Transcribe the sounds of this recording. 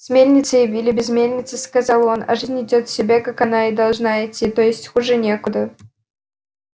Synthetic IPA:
smʲelʲnʲɪt̪səɪvʲilʲɪbʲɪzmʲelʲnʲɪt̪sɨskɐzɑlˠonɐ̰ʐɨzʲnʲɪdʲot̪sʲɪbʲakakɐnaɪd̪ɐlˠʐnaɪtʲːit̪ojɪsʲtʲxʊʐɨnʲekʊd̪ə

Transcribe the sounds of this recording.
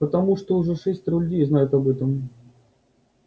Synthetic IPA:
pət̪ɐmuʂt̪oʊʐɛʂɛsʲtʲɾʊlʲd̪ʲiznajʊt̪ɐbɛt̪əm

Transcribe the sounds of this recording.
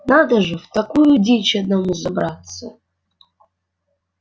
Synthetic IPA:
nad̪ɐʐɨvt̪ɐkujudʲet͡ʃɐd̪̚nɐmuzɐbrat̪sɐ

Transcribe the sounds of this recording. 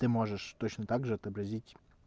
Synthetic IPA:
t̪ɨmoʐəʂt̪ot͡ɕnət̪aɡʐɨɐt̪əbɾɐzʲitʲ

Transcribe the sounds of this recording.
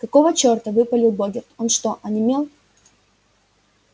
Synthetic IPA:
kɐkovət͡ɕort̪əvɨpəlʲɪlˠboɡʲɪrt̪onʂt̪oʔɐnʲɪmʲelˠ

